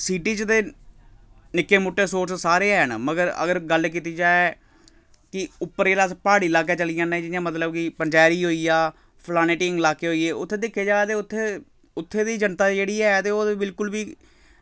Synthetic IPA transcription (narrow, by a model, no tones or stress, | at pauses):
siːʈiːt͡ʃət̪eː | nɪkːeːmʊʈːeːsoːɾssaːɾeːɛɦənməɡəɾə̰ɡəɾɡəlk̬iːt̪iːd͡ʒaː | kɪʊpːəɾeːlaːspaːɽiːlaːk̬eːt͡ʃəlijãːnɛ̃ːd͡ʒɪjãːmət̪ləb̚kɪpəɲd͡ʒɛːɾiːɦoːiːaː | pʰlaːneːʈɪŋɡlaːkeːɦoːiːeːʊt̪ʰːeːd̪ɪkʰːeːd͡ʒaːt̪eːʊt̪ʰːeː | ʊt̪ʰːeːd̪iːd͡ʒənt̪aːd͡ʒeːɽiːɛːt̪eːoːd̪ebɪlkʊlbiː